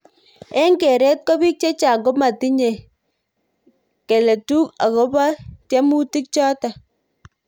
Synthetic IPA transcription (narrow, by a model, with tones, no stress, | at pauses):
ɛ˦ŋɡe˨ɾɛ˦t̚kɔ˦bi˦k̚t͡ʃe˦t͡ʃa˨ŋɡɔ˦ma˨ti˦ɲe˨ | ke˨le˨tu˦ka̰˨kɔ˦ba˦ta˦mu˦ti˦k̚t͡ʃɔ˦ta˨